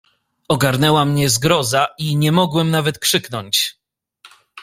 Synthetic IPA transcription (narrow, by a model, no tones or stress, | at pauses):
ɔɡaɾnɛwamɲɛzɡɾɔzaʔiɲɛmɔɡwɛmnavɛt̪kʂɘknɔɲt͡ɕ